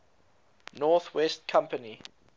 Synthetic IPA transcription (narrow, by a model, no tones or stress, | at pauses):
nɔθwɛstkʰãmpəni